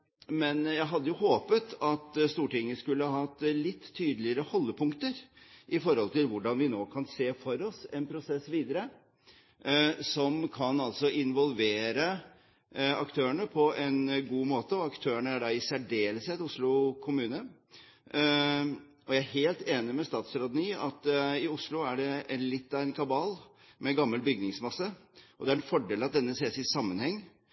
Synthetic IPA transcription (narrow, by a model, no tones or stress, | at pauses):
mɛnjæɪɦɑd̪ːəjʊhoːpət̪ɑt̪st̪uːʈɪŋːəskʉlːəhɑhɑt̪ːlɪt̪ʰːyːd̪əlɪəɾəhɔlːəpʰʊŋkt̪əɾʔɪfɔɾhɔlt̪ʰɪlʋʊɖɑnʋɪnoːkʰɑnseːfɔɾɔsɛnpʰɾʊsɛsʋiːd̪əɾə | sɔmkʰɑnɑlsɔɪnʋɔlʋeːɾə | ɑkt̪ʰøːəɳəpʰɔʔɛnɡuːmoːt̪əɔɑkt̪ʰøːəɳəæɖɑɪsæɖeːlset̪ʊslʊkʰʊmʉːnə | ʔɔjæɪæheːlt̪eːnɪmɛst̪ɑːt̪sɾɑd̪niːɑt̪ɪʊslʊæɖɛɛnlɪt̪ːɑɪnkʰɑbɑːl | mɛɡɑmːəlbʏɡnɪŋsmɑsːəʔɔd̪ɛæɾɛnfɔɖeːlɑt̪̚d̪ɛnːəseːsɪsɑmːənhɛŋː